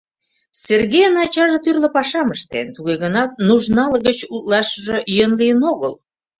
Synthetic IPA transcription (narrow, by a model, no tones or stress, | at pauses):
serɣejənɑt͡ɕɑʒet̪yrləpɑʃɑməʃt̪ḛnt̪uɣeɣənɑt̪̚nuʒnɑlɣət͡ɕut̪lɑʃəʒĕjønlijənoɣə̰l